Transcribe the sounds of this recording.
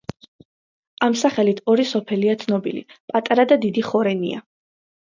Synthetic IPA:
amsaχɛlit̪ʰɔɾisɔpʰɛliat̪sʰnɔbilḭpʼat̪ʼaɾad̪ad̪id̪iχɔɾɛnḭa̰

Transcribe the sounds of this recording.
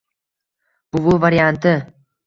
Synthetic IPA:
b̥ʊbʊvaɾjant̪ɪ

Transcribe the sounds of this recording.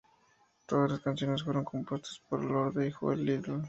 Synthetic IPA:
t̪o̞ðazlaskansjo̞ne̞sfweɾo̞ŋko̞mpwe̞st̪ḁspoɾeloɾðeixo̰ḛlːiðel

